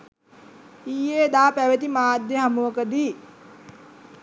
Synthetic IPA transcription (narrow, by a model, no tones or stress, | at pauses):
ijeːd̪aːpæʋet̪imaːd̪jeɦamuʋəkəd̪iː